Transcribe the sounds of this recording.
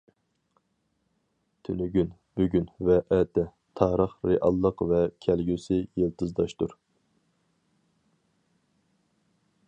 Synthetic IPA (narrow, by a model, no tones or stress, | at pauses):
t̪ʰynyɡʲyn | b̥yɡʲynvɛʔɛt̪ɛ | t̪ʰɑːɾəχɾeʔɑ̰lˠːəqvɛkʲʰɛlɡʲysɪjəlˠt̪ʰɨzd̪ɑʃt̪uɾ